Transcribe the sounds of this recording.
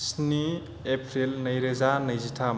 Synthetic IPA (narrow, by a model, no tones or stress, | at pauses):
sni | epʰɾilnɐjɾezanɐjzitʰam